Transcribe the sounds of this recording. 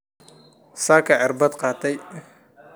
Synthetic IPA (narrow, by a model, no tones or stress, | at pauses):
saːkʰɐʕɪrbɐd̪qɑːt̪ʰɛj